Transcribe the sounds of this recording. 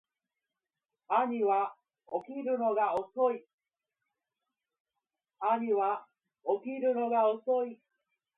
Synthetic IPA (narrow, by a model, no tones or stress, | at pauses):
aɲiβa | okʲiɾɯ̟noɡaosoi | aɲiβa | okʲiɾɯ̟no̞ɡaosoi